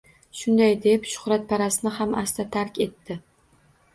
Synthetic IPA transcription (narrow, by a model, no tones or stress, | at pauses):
ʃʊnd̪ajd̪e̞pʃʊ̥hɾat̪̚pʰaɾasɪnɪhamast̪ʰat̪ʰaɾkʲe̞t̪ʰːɪ